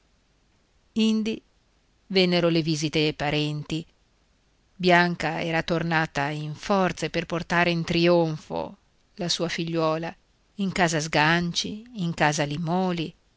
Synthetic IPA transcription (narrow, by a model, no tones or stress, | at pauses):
ind̪i | venːeɾoleviːzit̪eepaɾɛnt̪i | bjaŋkaɛ̰ːɾat̪ornaːt̪aiɱfɔrt̪seperport̪aːɾeint̪ɾioɱfo̰ | lasuːafiʎːwɔːla | iŋkaːzazɡant͡ʃiːŋkaːzalimɔːli